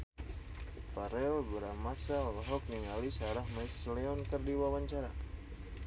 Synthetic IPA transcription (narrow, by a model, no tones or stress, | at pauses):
paɾɛlbəɾamasalɦɔk̚niŋalisaɾahmajsleɔnkərdiwawaɲt͡ʃaɾa